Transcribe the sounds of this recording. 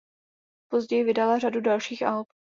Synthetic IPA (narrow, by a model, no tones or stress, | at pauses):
po̞zɟɛjɪvɪdalaradudalʃiːxʔalp̚